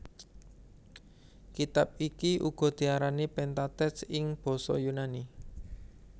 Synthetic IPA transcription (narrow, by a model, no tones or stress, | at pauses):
kit̪ap̚ikiʔuɡ̥ɔ̤d̪̥i̤aɾanipɛnt̪at̪ɛsɪŋb̥ɔ̤sɔ̰junani